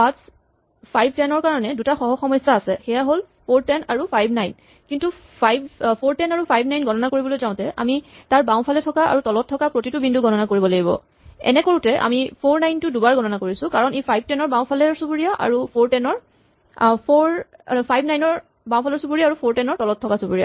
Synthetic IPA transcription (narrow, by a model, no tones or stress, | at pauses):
pas | pʰajb̚ʱtɛnɔɹkaɹɔnɛdutaxɔɦɔxɔmɔjsaːsɛxɛjaɦol | pʰoɹtɛnaɹupʰajbʱnajn | kintu | pʰajbpʰoɹtɛnaɹupʰajb̚najnɡʱɔnɔnakoɹibɔlojzãʊ̃tɛʔa̰mitaɹbãw̃pʰalɛtʰɔkaa̰ɹutɔlɔtʰːɔkapɹotitubindʱuɡʱɔnɔnakoɹibɔlaɡibɔ̰ | ɛ̰nɛkoɹutɛʔa̰mipʰoɹnajntʊdubaɹɡʱɔnɔnakoɹisʊ̃kaɹɔnepʰajb̚tɛnɔɹbaw̃pʰalɛsupuɹijaʔa̰ɹupʰoɹtɛnɔɹ | pʰoɹpʰajbnajnɔɹ | bãw̃pʰalɔɹsupuɹijaːɹupʰoɹtɛnɔɹtɔlɔtʰːɔkasupuɹija̰